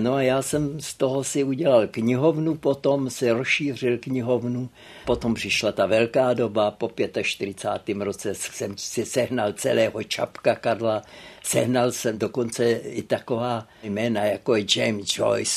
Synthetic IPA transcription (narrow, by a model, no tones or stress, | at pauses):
noajaːsɛmst̪oɦosɪuɟɛlalkɲɪɦo̞vnupo̞t̪o̞msɛɾosʃiːr̝ɪlkɲɪɦo̞vnu | po̞t̪ompr̥ɪʃlat̪avɛlkaːdo̞bapo̞pjɛt̪aʃt̪ɪɾɪt͡sa̰ːt̪iːmɾo̞t͡sɛssɛmsɪsɛɦnalt͡sɛ̰lɛːɦo̞t͡ʃa̰pkakaɾlasɛɦnalsɛmdoko̞nt͡sɛɪt̪ako̞vaː | jmɛːnajakojɛd͡ʒɛjmsd͡ʒo̰js